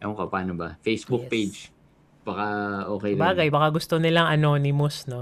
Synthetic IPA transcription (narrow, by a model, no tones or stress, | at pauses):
ʔɐkɐpaːnobɐfejsbuk̚pejd͡ʒ | b̥ɐkɐʔoːkɛjlbaːɡɐjbɐkaɡʊst̪onɪlaŋʔɐno̞ːnɪmosno